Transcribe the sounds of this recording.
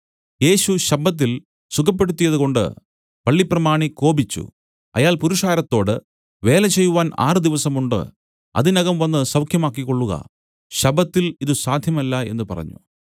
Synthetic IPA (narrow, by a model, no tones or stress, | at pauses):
je̞ːɕuɕɐbːɐt̪̬ːil | sukʰɐp̬ːe̞ɽut̪ːijɐðuɣo̞ɳɖɨ̰ | pɐɭːiprɐmaːɳiko̞ːbit͡ɕːṵ | ɐ̰jaːlpuɾuʂaːɾɐt̪ːo̞ːɽɨ | ʋe̞ːlɐt͡ɕe̞jːuʋaːna̰ːrɨd̪iʋɐsɐmuɳɖɨ̰ | ɐ̰ðinɐɣɐmʋɐnːɨsɐwkʰjɐmaːk̬ːikːo̞ɭːuɣɐ̰ | ɕɐbːɐt̪ːiliðusaːd̪ʱjɐmɐlːɐe̞̰nːɨpɐ̰rɐ̰ɲːṵ